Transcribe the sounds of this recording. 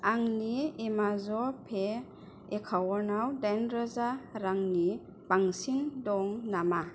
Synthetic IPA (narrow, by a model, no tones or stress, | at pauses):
aŋniemazɔpʰe | ekʰawɔnawdajnɾazaɾaŋni | b̥aŋsindɔŋnama